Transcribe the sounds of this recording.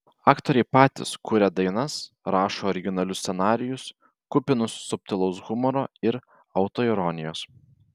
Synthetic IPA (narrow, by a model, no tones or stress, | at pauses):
ɑːkt̪oːɾʲɛɪpɑːt̪ʲɪ̰skʊːɾʲɛd̪ɐɪnɐs | ɾɑːʃoːɾʲɪɡʲɪnɐlʲʊsʲsʲɛnɑːɾʲɪjʊs | kʊpʲɪnʊsːʊp̚ʲt̪ʲɪlˠɐʊsɣʊmɔɾoːɪɾ | ɐʊt̪oːɪɾɔːnʲɪjoːs